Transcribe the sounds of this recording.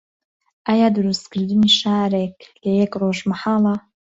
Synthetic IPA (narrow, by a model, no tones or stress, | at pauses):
ajadɨɾɨskʰɨɾdɨniʃaːɾekʼʰlejɛkʼroʒmaħala